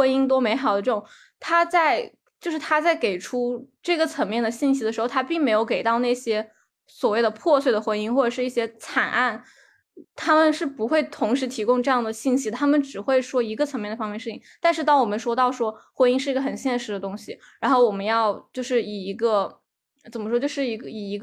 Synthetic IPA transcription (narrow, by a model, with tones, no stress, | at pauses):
xwe˥ni˥ŋt̪̬wɔ˥me˧˥ɪxɑ˨˩ʊd̪ə˦ʈ͡ʂɤ˥˩ʈ͡ʂʊ˨˩ŋ | t̪ʰa˥t͡sa˥˧ɪ | t͡ɕjo˥˧ʊʂɻ̩˥˩t̪ʰa˥t͡sa˥˩ɪke˨˩ɪʈ͡ʂʰu˥ʈ͡ʂɤ˥˩ɡə˩t͡sʰɤ˧˥ŋmjɛ˥˩nd̪ə˩ɕi˥˩nɕ̬i˥ə˧ʂɻ̩˧˥xo˥˧˩t̪ʰa˥pi˥˩ŋme˧˥ɪjo˧˥ʊke˨˩ɪt̪ɑ˥˧ʊna˥˩ɕjɛ˥ | swɔ˨˩we˥˩ɪd̪ə˩pʰwɔ˥˧swe˥˩ɪd̪ə˩xwe˧˥ni˥ŋxwɔ˥˩ʈ͡ʂɤ˨˩ʂɻ̩˥˧i˥˩ɕjɛ˥t͡sʰa˨˩nʔa˥˩n | t̪ʰa˥mə˨nʂɻ̩˥˩pu˧˥xwe˥˩ɪt̪ʰʊ˧˥ŋʂɻ̩˧˥t̪ʰi˧˥kʊ˥ŋʈ͡ʂɤ˥˧jɑ˥˩ŋd̪ə˩ɕi˥˩nɕi˥˧t̪ʰa˥mə˨nʈ͡ʂɻ̩˨˩xwe˥˩ɪʂwɔ˥i˧˥ɡə˧t͡sʰŋmjɛ˥˩nd̪ə˩fɑ˥ŋmjɛ˥˧ʂ̩ʰ˥˩i˥˩ŋt̪a˥˧nʂɻ̩˥˧t̪ɑ˥˩ŋwɔ˨˩mə˦nʂwɔ˥t̪ɑ˥˩ʊʂwɔ˥xwɛ˧˥ni˥˧ŋʂɻ̩˥˩i˧˥ə˧xə˨˩nɕjɛ˥˩nʂɻ̩˧˥d̪ə˧t̪ʊ˥ŋɕi˨˩ | ɻa˧˥nxo˥˩ʊwɔ˨˩mə˦njɑ˥˧ʊt͡ɕjo˥˧ʊʂɻ̩˥˩i˨˩i˧˥ɡə˧ | t͡sə˨˩nmə˦ʂwɔ˥t͡ɕjo˥˧ʊʂɻ̩˥˩i˧˥ɡi˨˩i˧˥ɡ